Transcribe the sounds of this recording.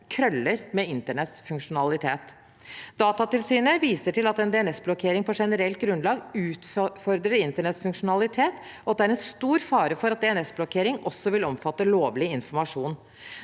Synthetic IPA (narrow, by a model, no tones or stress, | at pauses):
kʰɾœlːəɾmɛɪnt̪əɳɛt̪sfʉŋkʂʊnɑlɪt̪ʰeːt̪ | d̪ɑːt̪ɑt̪ɪlsyːnəʋiːsəʈʰɪlɑt̪ɛnd̪ɛɛnɛsblɔkʰeːɾɪŋpɔʂɛnəɾɛlt̪̚ɡɾʉnlɑːɡʉːt̪fɔɾd̪ɾəɾɪnt̪əɳɛt̪sfʉŋkʂʊnɑlɪt̪ʰeːt̪ɔɑt̪d̪ɛæɾɛnst̪uːɾfɑːɾəfɔɾɑt̪̚d̪ɛɛnɛsblɔkʰeːɾɪŋɔsːɔʋɪlɔmfɑt̪ːəloːʋlɪɪnfɔɾmɑʂuːn